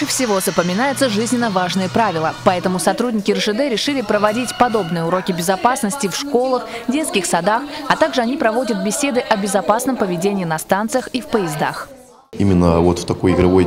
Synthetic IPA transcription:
ɨfsʲɪvo̞zəpəmʲɪnajɪt̪səʐɨzʲnʲɪnːəvaʐnɨjəpɾavʲɪlˠəpɐɛt̪əmʊsɐt̪ɾudʲnʲɪkʲɪrʂɨd̪ɛɾʲɪʂɨlʲɪpɾəvɐdʲitʲpɐd̪o̞bnɨjəʊɾo̞kʲɪbʲɪzɐpasnəsʲtʲɪfʂko̞lˠəx | dʲe̞t̪skʲɪxsɐd̪axɐt̪aɡʐɨɐnʲipɾɐvo̞dʲət̪̚bʲɪsʲed̪ɨʔɐbʲɪzɐpasnəmpəvʲɪdʲenʲɪiːnɐst̪ant̪sɨjəxifpəjɪzd̪a̰x | imʲɪnːəvot̪ft̪ɐko̞jɪɡɾɐvoj

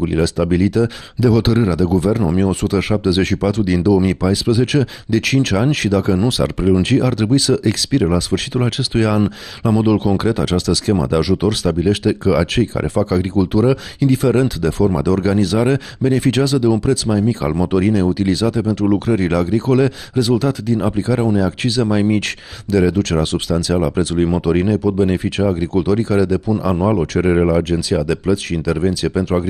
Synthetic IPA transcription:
ulḭle̞st̪abilit̪e̞ | d̪e̞ɦo̞t̪əɾɨɾead̪e̞ɡuve̞rno̞mije̞o̞sut̪əʃap̚t̪e̞zet͡ʃʃipat̪ɾud̪ind̪o̞wəmijpajspɾəze̞t͡ʃe̞ | d̪e̞t͡ʃint͡ʃʲanʲʃid̪akənusa̰rpɾe̞lund͡ʒiʔart̪ɾe̞buisəʔe̞kspiɾe̞lasfɨrʃit̪ulat͡ʃe̞st̪ujan | lamo̞d̪ulko̞ŋkɾe̞t̪a̰t͡ʃast̪əskʲe̞mə̰d̪e̞aʒut̪o̞rst̪abile̞ʃt̪e̞kəat͡ʃe̞jka̰ɾʔe̞̰fakaɡɾikult̪uɾəind̪ife̞ɾe̞nt̪d̪e̞fo̞rma̰d̪e̞o̞rɡanizaɾe̞ | be̞ne̞fit͡ʃiazəd̪e̞unpɾe̞t̪smajmika̰lmo̞t̪o̞ɾine̞jut̪ilizat̪e̞pe̞nt̪ɾulukɾəɾile̞aɡɾiko̞le̞ | re̞zult̪at̪d̪inaplikaɾeaune̞jakt͡ʃize̞majmit͡ʃʲd̪e̞ɾe̞d̪ut͡ʃe̞ɾeasub̥st̪ant̪sialəapɾet̪sulujmo̞t̪o̞ɾine̞jpo̞t̪̚be̞ne̞fit͡ʃiaːɡɾikult̪o̞ɾijkaɾe̞d̪e̞puna̰nualo̞t͡ʃe̞ɾe̞ɾe̞laːd͡ʒe̞nt̪sijad̪e̞plət̪sʲʃiːnt̪e̞rve̞nt̪sije̞pe̞nt̪ɾuaɡɾi

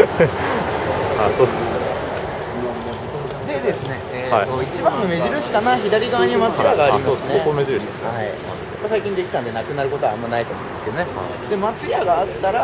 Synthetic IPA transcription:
asoːdesne | o | d̪e̞d̪e̞sɨne̞ | eːat̪oit͡ɕibãnːome̞ʑiɾɯ̟ɕi̥kanaçid̪aɾʲiɡaβaɲ̟iamat͡sɨjaɡaːɾiimassneokomeʑiɾɯɕesaḭ | easaikʲĩnd̪e̞kʲi̥t̪ãnd̪e̞nakɯ̟naɾɯ̟ko̞t̪o̞aamːanait̪oːmo̞ɯ̃nd̪eske̞d̪o̞nea̰ | d̪e̞mat͡sɨjaɡaːt̪ːaɾa

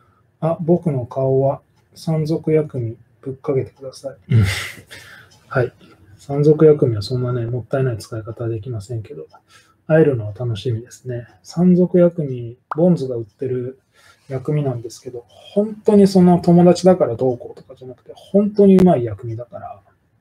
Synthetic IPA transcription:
abo̞kɯ̟no̞kʰao̞βa | sãnzo̞kɯ̟jakɯ̟mʲi | b̥ɯ̟kːaɡe̞t̪e̞̥kɯd̪asai | hai | sãnzo̞kɯ̟jakɯ̟mʲiβasõ̞nːane̞mo̞t̪ːae̞nait͡sɨ̥kaikat̪ad̪e̞kʲimasẽ̞ŋke̞d̪o̞ | aiɾɯ̟no̞βat̪ano̞ɕimʲid̪e̞sɨ̥ne̞ | sãnzo̞kɯ̟jakɯ̟mʲibõ̞nd͡zɨɡaɯ̟t̪ːe̞ɾɯ̟ | jakɯ̟mʲinãnd̪e̞sɨ̥ke̞d̪o̞ | hõ̞nt̪o̞ɲ̟iso̞no̞t̪o̞mo̞d̪at͡ɕid̪akaɾad̪o̞ːko̞ːt̪o̞̥kad͡ʑanakɯ̟̥t̪e̞hõ̞nt̪o̞ɲ̟iɯ̟maijakɯ̟mʲid̪akaɾa

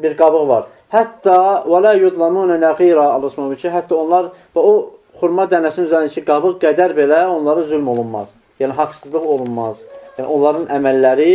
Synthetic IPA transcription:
biɾɡɑbɯɣvɑɾ | hæt̪ːɑːwælaːjud̪ˤlˠɑmuːnanæɣiːɾɑɑlˠɑsmɑnit͡ʃʰiɦæt̪ʰːɑonlˠɑɾvæo | χuɾmɑd̪ænæsininyzænd̪it͡ʃʰiɡɑbɯʁɡæd̪æɾbe̞læo̞nlˠɑɾɯzylmo̞lˠunmɑ̰z̥ | jæːniɦɑksɯzlˠɯʁo̞lˠunmɑzjæːnḭo̞nlˠɑɾɯnʔæmælːæɾi

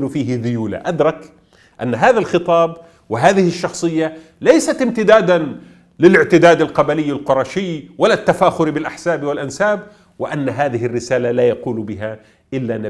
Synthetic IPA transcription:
lʊfiːɦɪðʊjuːla̰ʔad̪ɾˤɑk | ʔa̰nːɦaːðalxɨt̪ˤɑːb | wɪɦaːðɪhɪʃːɑxsˤɨjːa | lajsat̪ɪmt̪ɪd̪aːd̪an | lɪlɪʕt̪ɪd̪aːd̪alqɑbalɪjːalqʊɾˤɑːʃɪjːwalat̪ːafaːxʊɾbɪlʔaħsaːbɪwɪlʔansaːb̚ | wɪʔanːaɦaːðɪhɪrːɪsaːlalaːjɑquːlbɪɦa | ʔɪlːanɪ

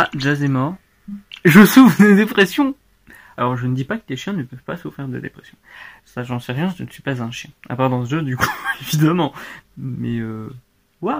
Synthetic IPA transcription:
aʒazɛmɔʁ | ʒəsufχd̪ed̪epχɛsjɔ̃ | alɔʁʒənəd̪ipakə̥t̪eʃjɛ̃nəpœvpasufχiʁd̪ḛd̪ḛpχɛsjɔ̃ | saʒɑ̃sɛʁjɛ̃ʒənəsɥipazɛ̃ʃjɛ̃a̰paʁd̪ɑ̃səʒød̪ykuevid̪amɑ̃mɛø | wa

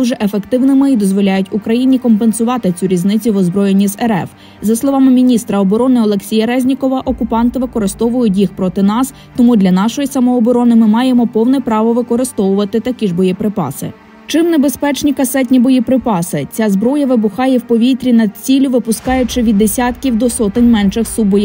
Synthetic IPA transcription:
uʒɛʔefe̞kt̪ɪwnɪmɪid̪ɔzʋɔlʲajʊtʲʊkɾɐjinʲikɔmpensʊʋɑt̪ɪt͡sʲuɾʲiznɪt͡sʲʊʋɔzbɾɔjenʲːizɛɾɛ̰f | zɐslˠɔʋɑmɪmʲinʲist̪ɾɐɔbɔɾɔnɪɔlˠe̞ksʲijɐɾɛzʲnʲikɔʋɐʔɔkʊpɑnt̪ɪʋɪkɔɾɪst̪ɔʋʊjʊt̬ʲjixpɾɔt̪ɪnɑs | t̪ɔmud̪lʲɐnɑʃɔjisɐmɔːbɔɾɔnɪmɪmɑjemɔpɔwnɛpɾɑʋɔʋɪkɔɾɪst̪ɔʋʊʋɐt̪ɪt̪ɐkʲiʐbɔjipɾɪpɑ̰sɪ̰ | t͡ʃɪmnebe̞spɛt͡ʃnʲikɐsɛt̬ʲnʲibɔjipɾɪpɑsɪt͡sʲazbɾɔjɐʋɪbʊxɑjɛwpɔʋʲit̪ɾʲinɐd̪̚t͡sʲilʲʊʋɪpʊskɑjʊt͡ʃɪʋʲid̪ːesʲat̪kʲiwd̪ɔsɔt̪ɪnʲmɛnʃɪxsubɔj

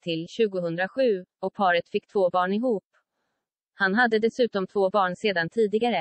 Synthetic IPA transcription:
t̪ʰɪlɕʉ̟ːɡʊɦɵnd̪ɾaɧʉ̟ːɔk̚pʰɑːɾət̪fɪkːt̪ʰvoːbɑːɳɪɦuːp | hanɦad̪ːəd̪ɛsʉ̟ːt̪ɔmt̪ʰvoːbɑːɳseːd̪ant̪ʰiːd̪ɪɡaɾə

